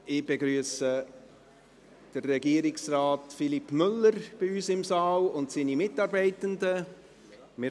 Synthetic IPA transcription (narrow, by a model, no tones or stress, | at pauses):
ɪb̥eɡɾyːəsə | d̥ərɛɡiːəɾɪksraːtfilipmʏlːəɾb̥iyːsɪmsɑːlʊntsiːnimɪtɑɾbɛɪtəndə | mɪ